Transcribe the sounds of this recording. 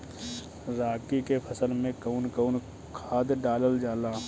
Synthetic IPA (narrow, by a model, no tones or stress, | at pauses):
ɾaːkikepʰɐsəlmẽkəʊnkəʊn | kʰaːd̪ɖaːləld͡ʒaːlaː